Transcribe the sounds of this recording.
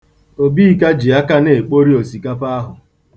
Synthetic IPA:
o˨bi˦˨ka˦d͡ʒi˨a˦ka˦ne˨k͡po˦ɾi˦o˨si˨ka˦pa˦a˦ɦʊ˨

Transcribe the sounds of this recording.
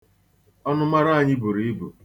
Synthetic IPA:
ɔ˦nʊ˦ma˦ɾa˦a˨ɲɪ˦bu˨ɾi˨i˦bu˨

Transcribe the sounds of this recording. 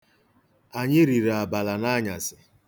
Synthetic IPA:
a˨ɲɪ˦ɾi˨ɾa˨ba˨la˨na˦ɲa˨sɪ˨

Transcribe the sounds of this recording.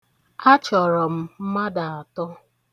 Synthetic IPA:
a˦t͡ʃɔ˨ɾɔ˨m̩˦m̩˦ma˦da˨a˨tɔ˦

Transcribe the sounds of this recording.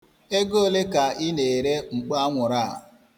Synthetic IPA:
e˦ɡo˦˨le˦ka˨ɪ˦ne˨ɾe˦ŋ͡m̩˨k͡pa˦ŋʷʊ˨ɾa̰˦˨

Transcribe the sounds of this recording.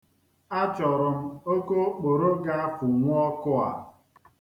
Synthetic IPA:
a˦t͡ʃɔ˨ɾʊ˨m̩˦o˦ko˦k͡po˨ɾo˦ɡa˦a˦fʊ˨ŋʷʊ˦ɔ˦kʊ˦a̰˨

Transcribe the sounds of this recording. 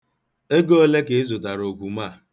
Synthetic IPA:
e˦ɡo˦o˦le˦ke˨e˦zo˨ta˨ɾo˨kʷu˨ma˦˨

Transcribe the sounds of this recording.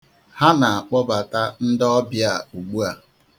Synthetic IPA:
ha˦na˨a˨k͡pɔ˦ba˨ta˦n̩˦dɔ˦bja˨u˨ɡ͡bu˦a˨

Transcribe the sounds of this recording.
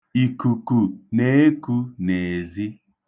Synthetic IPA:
i˨ku˨ku˨ne˨˦e˦ku˦ne˨zi˦

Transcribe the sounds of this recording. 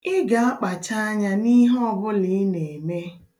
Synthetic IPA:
ɪ˦ɡa˨a˦k͡pa˨t͡ʃa˦a˦ɲa˦ni˦ɦɔ˦bʊ˦lɪ˨˦ne˨me˦

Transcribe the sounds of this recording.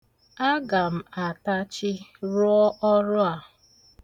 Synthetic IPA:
a˦ɡa˨m̩˨a˨ta˦t͡ʃɪ˦ɾʊ˦ɔ˦ʔɔ˦ɾʊ˦a˨

